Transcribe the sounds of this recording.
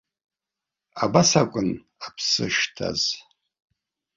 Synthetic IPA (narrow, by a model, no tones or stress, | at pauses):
abasakʷʼʊn | apʰsɨ̰ʃtʰa̰z̥